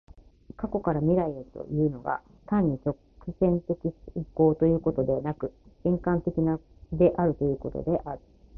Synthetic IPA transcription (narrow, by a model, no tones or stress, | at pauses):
kako̞kaɾamʲiɾaieɾɯ̟t̪o̞̰jɯ̟ːno̞ɡa̰ | t̪ãɲ̟ːit͡ɕo̞ | kisẽ̞nt̪e̞kʲiko̞ːt̪o̞jɯ̟ːko̞t̪o̞d̪e̞βanakɯ̟ẽ̞ŋkãnt̪e̞kʲina | d̪e̞ʔaɾɯ̟t̪o̞jɯ̟ːko̞t̪o̞̰d̪e̞ʔaɾɯ̟